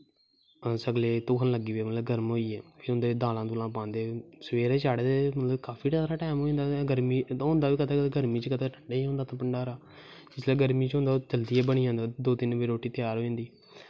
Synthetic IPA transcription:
səɡleːt̪ʊkʰənləɡiːʋeːmət̪ləbɡəɾmɦoːiːɛːpʰiːʊ̃nd̪eːd̪aːlãːd̪uːlãːpãːnd̪eːsəʋeːɾeːt͡ʃaːɽeːd̪emət̪ləbkaːpʰiːʈəaːɾaːʈɛːmɦoːĩnd̪aːɡəɾmiːɦʊ̃nd̪aːʋiːkət̪aːɡəɾmĩːt͡ʃkət̪aːʈʰəɳɖaːiːɦõːnd̪aːt̪ãːpəɳɖaːɾaː | d͡ʒɪslɛːɡəɾmiːt͡ʃɦʊ̃nd̪aːt͡ʃəld̪iːɛːbəɽ̃iːãːnd̪aːd̪oːt̪ɪnbiːɾoːʈːiːt̪ɪjaːɾɦoːĩːnd̪iː

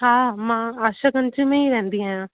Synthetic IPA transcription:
ɦaːmãːaːʃakə̃nt͡ʃimẽːiːɾɛ̃ːnd̪iːɦɛ̃ː

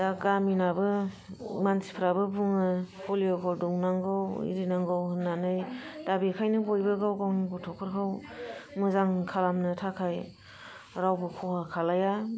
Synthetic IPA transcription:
daɡaminabɯ | mansʰi̥pʰɾabɯbuŋɯpʰoliɔkʰɔldɔŋnaŋɡɯwḭɾinaŋɡawhɯnːanɯjd̥abikʰajnɯbojbɯɡawɡawniɡutʰɔkʰɯɾkʰawmɯzaŋkʰalamnɯtʰakʰaj | ɾawbɯkʰɔhakʰalaja

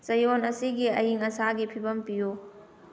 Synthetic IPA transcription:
sɐjonɐsiɡiɐjiŋɐsaɡipʰibɐmpijo

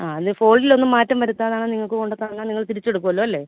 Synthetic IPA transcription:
aːɐðɨfo̞ːɭɖilo̞nːumːaːtːɐmʋɐɾut̪ːaːðaːɳɨːniŋːɐɭkɨko̞ɳɖɨt̪ːaːɳnːaːniŋːɐɭt̪iɾit͡ɕːe̞ɽukːuʋɐlːuːɐlːe̞ː

